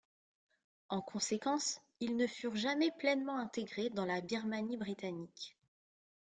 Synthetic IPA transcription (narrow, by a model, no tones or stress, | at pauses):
ɑ̃kɔ̃sekɑ̃s | ilnəfyʁʒamɛplɛnmɑ̃ɛ̃t̪eɡʁed̪ɑ̃labiʁmanibʁit̪anik